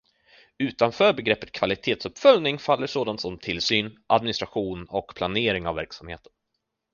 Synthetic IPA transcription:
ʉ̟ːt̪anfœːɾbɛɡɾɛpːə̥t̪̚kʰvalɪt̪ʰeːt̪sɵpːfœlnɪŋfalːəʂoːd̪ant̪sɔmt̪ʰɪlsyːnʔad̪̚mɪnɪst̪ɾaɧuːnɔkpʰlaneːɾɪŋavːæɾksamhḛːt̪ə̥n

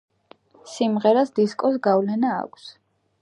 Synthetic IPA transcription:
simʁɛɾasd̪iskʼɔs̬ɡavlɛna̰ːkʷʰs

